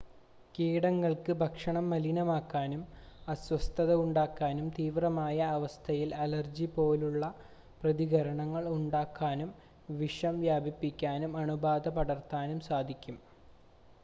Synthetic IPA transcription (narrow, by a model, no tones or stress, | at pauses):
kiːɽɐŋːɐɭkɨbʱɐkʂɐɳɐmːɐlinɐmaːkːaːnumɐswɐst̪ʰɐðɐuɳɖaːkːaːnumt̪iːʋrɐmaːjɐːʋɐst̪ʰɐjilɐlɐrd͡ʑipo̞ːluɭːɐ | prɐðiɡɐɾɐɳɐŋːɐɭuɳɖaːkːaːnum | ʋiʂɐmʋjaːbipːikʲːaːnumɐɳubaːd̪ɐpɐɽɐrt̪ːaːnumsaːd̪ʱikʲːum